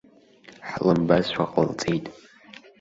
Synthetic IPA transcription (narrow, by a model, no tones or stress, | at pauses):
ħlɨmbazʃʷaqʼə̰lt͡sʼijtʼ